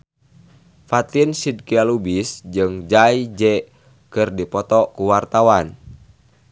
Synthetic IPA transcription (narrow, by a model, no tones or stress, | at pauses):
fat̪insid̚kialubisd͡ʒɨŋd͡ʒaid͡ʒɛ | kɨrdipɔt̪ɔkuwart̪awan